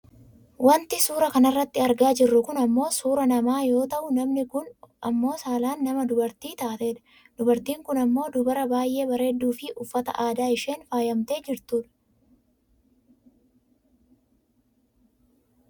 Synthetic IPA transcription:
wɐnt̪ɪsuːɾɐkɐnɐrːɐt̪ːɪɐɾɡaːd͡ʒɪrːʊkʊnɐmːo̞ːsuːɾɐnɐmaːjo̞ːt̪ɐʔʊnɐmnɪkʊnɐmːo̞ːsaːlaːnːɐmɐd̪ʊbɐɾt̪iːt̪aːt̪e̞ːᶑ̪ɐ̥ | d̪̥ʊbɐɾt̪iːŋkʊnɐmːo̞ːd̪ʊbɐɾɐbaːjʔe̞ːbɐɾe̞ːd̪ːuːfɪʔʊfːɐt̪ɐ̰ʔaːd̪aːɪʃe̞ːnfaːjɐmt̪e̞ːd͡ʒɪɾt̪uːᶑɐ̥

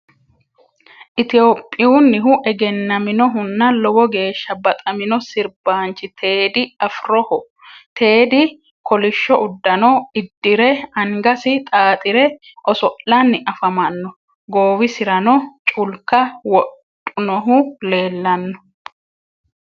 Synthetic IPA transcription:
ʔɪt̪ɪjo̞ːpʼːɪjunːɪɦʊʔɛɡɛnːɐmɪnɔɦʊnːɐlɔwɔɡe̞ːʃːɐbɐt̪ʼɐmɪnɔsɪɾbaːnt͡ʃːɪt̪ʰe̞ːd̪ɪɐfɾɔhʊ | t̪ʰe̞ːd̪ɪ | kɔlɪʃːɔʔʊd̪ːɐnɔɪd̪ːɪɾɛɐŋɡɐsɪt̪ʼaːt̪ʼɪɾɛ | ʔɔsɔʔlɐnːɪʔɐfɐmɐnːɔ | ɡoːwɪsɪɾɐnɔt͡ʃʼʊlkːɐwɔtʼːʊnɔɦʊle̞ːlːɐnːɔ̥

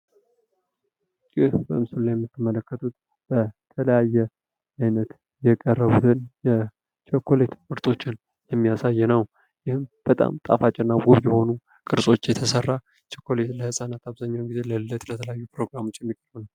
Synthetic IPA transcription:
jɪhbə̰ɨmsulːajɛmːɨt̪ːəmələkːət̪ʰut̪ | b̥ət̪ʰələjajːɛ | ajnət̪ | jɛkʼərːəβut̪ɨnjɛ | t͡ʃʰokʰːo̞le̞t̪fɨɾt̪ʰʼo̞t͡ʃːɪn | jɛmːijasajːɛnəw | jɪhɨmb̥ət̪ʼa̰mt̪ʼa̰fat͡ʃʼɪnːaɡuβjɛho̞nu | kʼɨɾsʼo̞t͡ʃːjɛt̪ʰəsərːa | t͡ʃʰokːo̞le̞t̪ləhɨsʼanat̪ʰaβzaɲːawnɡize̞ləlɨlːət̪lət̪ʰələjajːupɾo̞ɡɾamo̞t͡ʃːjɛmːikʼərbnaw

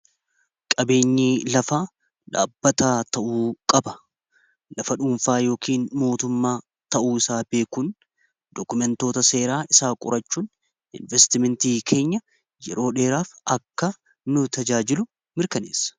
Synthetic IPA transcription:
kʼɐbe̞ːɲːiːlɐfaː | ᶑa̰ːbːɐt̪aːt̪ɐʔuːkʼɐbɐ̥ | lɐfɐᶑʊmfaːjo̞ːkiːnmo̞ːt̪ʊmːaː | t̪ɐʔuːɪsaːbe̞ːkuːn | d̪̥ɔkʊmɛnt̪o̞ːt̪ɐse̞ːɾaːʔɪsaːkʼʊ̰ɾʔɐt͡ʃːuːn | ʔɪ̰nvɛst̪ɪmɛnt̪iːkʰe̞ːɲːɐ | jɛɾo̞ːᶑe̞ːɾaːfɐkːɐ | nʊt̪ɐd͡ʒaːd͡ʒɪlʊ | mɪɾkɐnḛːsːɐ̥

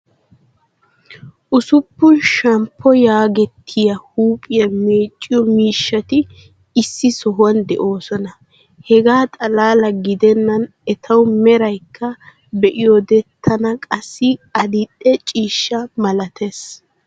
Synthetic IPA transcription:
ʔʊsʊpːʊnʃɐmpʰːɔjaːɡɛt̪ʰːɪjɐhuːpʼɪjɐme̞ːt͡ʃʼːɪjɔmiːʃːɐt̪ɪ | ɪsːɪsɔɦwɐnd̪ɛ̰ʔo̞ːsɔnɐ | hɛɡaːt̪ʼɐlaːlɐɡɪd̪ɛnːɐn | ɛt̪ʰɐwmɛɾɐjkːɐ | bɛʔɪjɔd̪ɛt̪ʰːɐnɐkʼɐsːɪɐd̪ɪtʼːɛt͡ʃʼiːʃːɐmɐlɐt̪ʰes

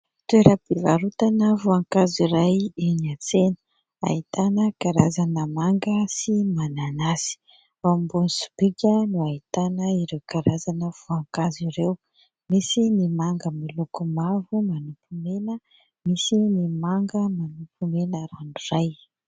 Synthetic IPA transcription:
t̪weɾəbivaɾut̪anəvuaŋkaziɾajiniat͡senə̥ | a̰it̪anəkaɾazanəmaŋɡəsimananasi̥ | wambunisu̥bikʲənuait̪anəiɾewkaɾazanəv̥uaŋkaziɾew | misinimaŋɡəmilukumavumanupumenə | misinimaŋɡəmanupumenəɾanuraj

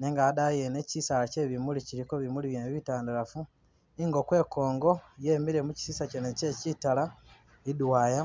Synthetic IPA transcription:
neŋɡadajene̞cisalace̞βimuliciɾiko̞βimuliβjenβiβitaːndaɾafu | iŋɡo̞kwe̞ːko̞ːŋɡo̞jeːmiɾe̞muci̥sisacenece̞citala | idwaːja

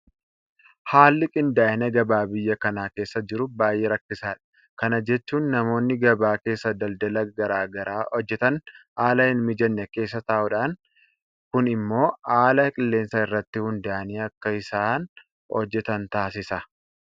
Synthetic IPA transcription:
haːlːɪkʼɪnd̪aːʔɪnɛɡɐbaːbɪjːɐkɐnaːke̞ːsːɐd͡ʒɪɾʊbaːjːeːɾɐkːɪsaːᶑɐ̥ | kɐnɐd͡ʒɛt͡ʃːuːnːɐmo̞ːnːɪɡɐbaːke̞ːsːɐd̪ɐld̪ɐlɐɡɐɾaːɡɐɾaːhɔd͡ʒːɛt̪ɐnʔaːlɐɪnmɪd͡ʒɐnːɛke̞ːsːɐt̪ɐːʔʊᶑaːŋ | kʊnɪmːo̞ːaːlɐkʼɪlːe̞ːnsɐɪrːɐt̪ːɪhʊnd̪aʔɐniːɐkːɐɪsaːn | hɔ̰d͡ʒːɛt̪ɐnt̪aːsɪsɐ

